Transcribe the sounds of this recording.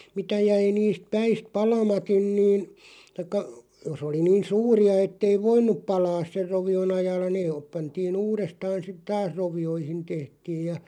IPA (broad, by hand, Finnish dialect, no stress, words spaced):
mitæ jæi niːst pæist pɑlɑmɑtˑin niːn tɑĭkːɑ jos oli niːn̞ suːriɑ etːei ʋoinˑup pɑlɑːs ser roʋion ɑjɑːlːɑ neː oːp pɑntiːn uːrestɑːn̞ sit tɑːs roʋioihin tehtiːj̆ jɑ